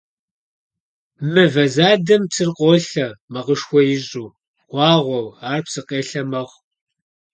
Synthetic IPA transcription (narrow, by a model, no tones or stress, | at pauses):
mɨvɐzaːdɐmpsʰɨrqʷʼoːɬɐmɐʁəʂxʷɔjɪʑʼuː | ʁ̥ʷɑːʁʷɔwaːrpsɨqʼeːɬɐmɐʁ